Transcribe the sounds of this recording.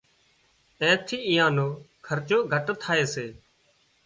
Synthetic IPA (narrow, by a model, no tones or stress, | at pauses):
ɛ̃ːt̪ʰiːĩːãːnoːkʰəɾt͡ʃõːɡʱəʈt̪ʰaːeːseː